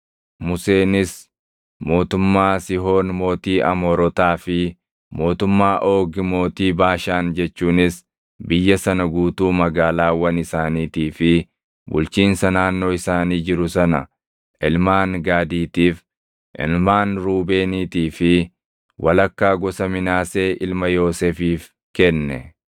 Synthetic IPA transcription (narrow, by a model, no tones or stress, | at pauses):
mʊse̞ːnɪs | mo̞ːt̪ʊmːaːsɪɦo̞ːnmo̞ːt̪iːʔɐmoːɾɔt̪aːfɪ | mo̞ːt̪ʊmːaːʔo̞ːɡmo̞ːt̪iːbaːʃaːnd͡ʒɛt͡ʃːuːnɪs | bɪjːɐsɐnɐɡuːt̪uːmɐɡaːlaːwɐnɪsaːniːt̪iːfɪ | bʊ̰lt͡ʃiːnsɐnaːnːo̞ːɪsaːniːd͡ʒɪɾʊsɐnɐ | ɪlmaːnɡaːd̪iːt̪iːf | ʔɪ̰lmaːnɾuːbe̞ːniːt̪iːfɪ | wʔɐlɐkːaːɡɔsɐmɪnaːse̞ːʔɪlmɐjo̞ːseːfiːf | kɛnːɛ̰